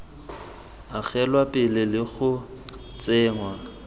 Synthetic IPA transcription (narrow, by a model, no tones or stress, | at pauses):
aɣɛlwapʼɪlɪlɪɣʊ | t͡sʼɪːŋwa